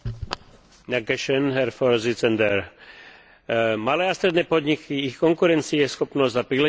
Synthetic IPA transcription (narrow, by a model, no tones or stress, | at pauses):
naɡɛʃɛnɦɛɾfɔɾzit͡sɛnd̪ɛɾ | malɛːast̪ɾɛd̪nɛːpɔd̪ɲikʰiixkɔŋkuɾɛnt͡siɛsxɔpnɔzzapɾilɛ